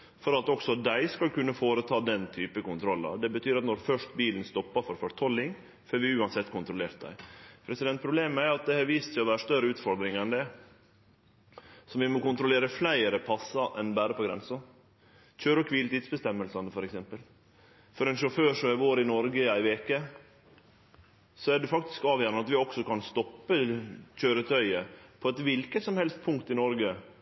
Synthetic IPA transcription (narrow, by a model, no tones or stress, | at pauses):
fɔɾɑt̪ɔksɔd̪æɪskɑlkʉnːəfoːɾət̪ʰɑːd̪ɛnt̪ʰyːpəkʊnt̪ʰɾɔlːɑ̰d̪ɛbət̪ʰyːɾɑt̪nɔɾfœʂt̪biːlənst̪ɔpːɑfɔɾfœɾt̪ʰɔlːɪŋ | føːɾʋɪʉːɑnsɛt̪ːkʊnt̪ɾʊleːɾt̪̚d̪æ̰ɪpʰɾɛsɪd̪ɛnt̪̚pʰɾʊbleːməæɾɾɑt̪̚d̪ɛhɑɾʋiːst̪ʰɛɔʋæːɾəʂt̪œɾəʉːt̪fɔɾd̪ɾɪŋɛnd̪ɛ | sɔʋɪmɔkʊnt̪ɾʊleːɾəflæɪəɾəpʰɑsːɑʔɛnbæːɾəpʰɔɡɾɛ̰nsə | c͡çøːɾəkʰʋiːlt̪iːd̪sbəst̪ɛmːəlsɑnəfɔɾɛksɛmpəl | fɔɾɛnʂʊføːʂɔæɾʋoːɾɪnɔɾɡəæɪʋeːkə | sɔæɖɛfɑk̚t̪ɪ̥skɑːʋjæːɾnɑt̪ʋɪɔksɔkɑnst̪ɔpːəçøːɾət̪ʰœʏəpʰɔɛt̪ʋɪlkət̪sɔmhɛlst̪̚pʰʊŋkt̪ɪnɔɾɡə